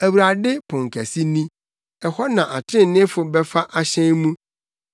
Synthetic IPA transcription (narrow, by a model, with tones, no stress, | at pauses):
æ˨wu˨ɾa˨dɪ˦pʰʊ̃˨ŋ˨kʰæ˨si˦nĩ˦ | ɛ˨hɔ˦nã˨ʔa˨tʰɾɪ̃˦˨nɪ̃˦fʊ˨bɛ˦fa˦ʔa˨ɕɛ̃˦nmũ˦